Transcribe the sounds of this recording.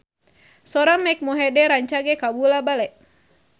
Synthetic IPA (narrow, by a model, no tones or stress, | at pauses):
sɔɾaŋmɛk̚mɔɦɛdɛɾaɲt͡ʃaɡɛkabulabalɛʔ